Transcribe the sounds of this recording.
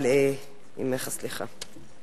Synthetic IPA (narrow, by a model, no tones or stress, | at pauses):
le | ḭmeχasliχa